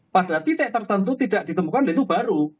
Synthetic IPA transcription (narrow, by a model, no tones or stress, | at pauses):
paɖ̥at̪it̪ɛʔt̪ərt̪ənt̪ut̪id̥aʔ̚d̥i̤t̪əmukanlet̪ub̥aɾu